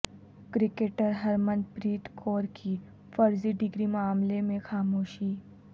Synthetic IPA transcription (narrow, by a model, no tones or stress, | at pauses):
kɾɪkeːʈəɾɦɐɾmə̃npɾiːt̪kʰoːɾkʰi | fɐɾziɖɪɡɾimaːmlemẽxaːmoːʃiː